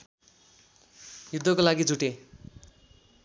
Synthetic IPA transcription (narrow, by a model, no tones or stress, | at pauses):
jud̪ʱːʌkolaɡid͡zuʈe